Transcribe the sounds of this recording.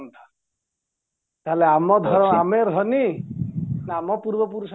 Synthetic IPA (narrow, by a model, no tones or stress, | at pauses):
nt̪ʰḁ | t̪aeleamɔd̪ʱɔɾɔameɾd̪ʱɔni | namɔpuɾbɔpuɾus